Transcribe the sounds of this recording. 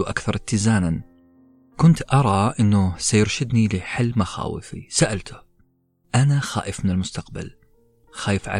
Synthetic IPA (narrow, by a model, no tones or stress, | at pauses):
uʔa̰kθɑɾˤɪt̪ːɪzaːnan | kʊnt̪ʔɑɾˤɑʔɪnːʊsajʊɾʃɪd̪nilɪħalːmaxa̰ːwɪ̰fḭsaʔalt̪ʰʊ̥ | ʔanaxa̰ːʔɪfmɪnɪlmʊst̪aqba̰l | xaːjɪfʕa̰